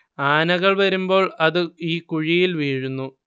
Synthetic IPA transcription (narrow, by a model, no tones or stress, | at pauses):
aːnɐɣɐɭʋɐɾumbo̞ːɭɐðɨiːkuɻijilʋiːɻunːu